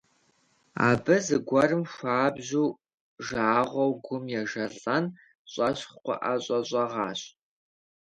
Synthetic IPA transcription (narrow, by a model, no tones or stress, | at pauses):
a̰ːbɐzɨɡʷɐrɨmʃʷaːbʑuː | ʒaːʁʷɔwɡʷʊmjɛʒɐɮʼɐn | ɕʼɐɕχqʷɔ̰ʔaɕʼɐɕʼɐʁɑːɕʼ